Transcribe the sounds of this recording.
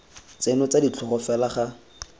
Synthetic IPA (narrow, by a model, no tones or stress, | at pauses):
t͡senɔt͡sadit͡ɬʰɔχɔfɛlaχa